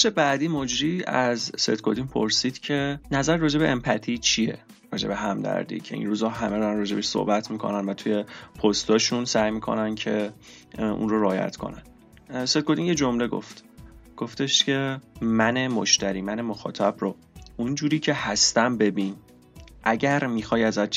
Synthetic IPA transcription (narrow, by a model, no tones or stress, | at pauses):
ʃe̞bæd̪iːmod͡ʒɾiːæzsḛt̪kʰod̪inpʰo̰ɾsiːd̪̥cʰe̞næzæɾːɒːd͡ʒe̞beʔempʰæt̪ʰit͡ʃʰije̞̰ | ɾɒ̰ːd͡ʒe̞beɦæmd̪æ̰ɾd̪ḭːcʰe̞̰ḭnɾuːzɒːɦæme̞d̪ɒɾanrɒːd͡ʒe̞beʃso̰hbæt̪ʰmikʰo̞̰nænvæt̪ʰuje̞pʰost̪ɒːʃunsæjmiːkʰo̞̰næncʰe̞ | ṵnroɾeːjæ̰t̪ʰkʰo̞̰næn | set̪̚kod̪injed͡ʒo̞mle̞ɡo̰ft̪ɡ̥oft̪e̞ʃt̪cʰe̞mænemoʃt̪æɾiːmænemoxɒ̰ːt̪ʰæbɾo | und͡ʒuːɾiːcʰe̞hæst̪æmbe̞bin | ʔæɟæɾmiːxɒːjæzæʃ